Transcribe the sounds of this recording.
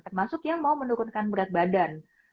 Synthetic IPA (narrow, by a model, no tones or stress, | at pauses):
t̪ərmasʊkjaŋmaumənuɾʊnkanbəɾat̪̚badan